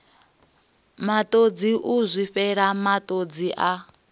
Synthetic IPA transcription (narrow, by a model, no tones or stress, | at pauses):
mat̪ʼod͡ziʔuzʷiɸɛɺamat̪ʼod͡ziʔa